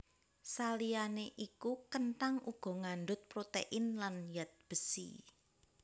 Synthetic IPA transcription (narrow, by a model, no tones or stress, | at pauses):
salianeʔikukənʈaŋʔuɡ̥ɔ̤ŋanɖʊt̪̚pɾot̪ḛʔɪnlanjat̪̚b̥əsḭ